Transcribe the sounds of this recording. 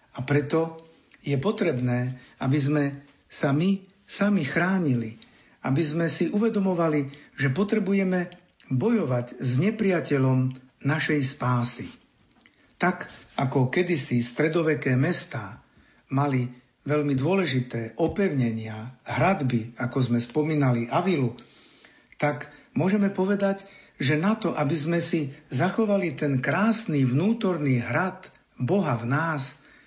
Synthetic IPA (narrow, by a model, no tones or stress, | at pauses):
apɾɛt̪ɔ | jɛpɔt̪ɾɛbnɛːʔabizmɛ | sami | samixɾaːɲili | abizmɛsiʔuʋɛd̪ɔmɔʋaliʒɛpɔt̪ɾɛbujɛmɛ | bɔjɔʋaɟzɲɛpɾɪacɛʎɔm | naʃɛjspaːsḭ | t̪akakɔkɛd̪isist̪ɾɛd̪ɔʋɛkɛːmɛst̪aː | mali | ʋɛʎmid̪ʊɔlɛʒit̪ɛːʔɔpɛʊɲɛɲɪaɦɾad̪biakɔzmɛspɔmiːnaliʔaʋilu | t̪akmʊɔʒɛmɛpɔʋɛd̪ac | ʒɛnat̪ɔʔabizmɛsizaxɔʋalit̪ɛnkɾaːsniʋnuːt̪ɔɾniːɦɾat̪ | bɔɦavnaːs